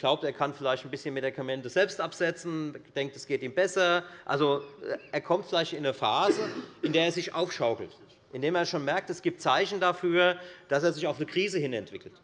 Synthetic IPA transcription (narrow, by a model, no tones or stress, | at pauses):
ɡ̥laʊpteːɐkʰanfɪlaɪçtn̩bɪsçənmedikʰamɛntəzɛlpstʔapz̥ɛt͡sn̩d̥ɛŋk̚tɛsɡ̥eːtiːmbɛsɐʔa̰lzoʔʔeːɐkʰɔmtfɪlaɪçtɪnəfaːzəʔɪndeːɐeːɐzɪçʔaʊfʃaʊkl̩t | ʔɪndeːmeːɐʃoːnmɛɐk̚tɛsɡ̥iːp̚t̚t͡saɪçn̩dafyːɐd̥aseːɐzɪçaʊfnəkʁ̥iːzəhɪnɛ̰ntv̥ɪkl̩t